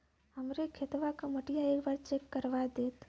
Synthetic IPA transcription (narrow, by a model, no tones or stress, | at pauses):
ɦɐmɾekʰet̪ʋakamɐʈijaeːkbaːɾt͡ʃeːkːəɾʋad̪eːt̪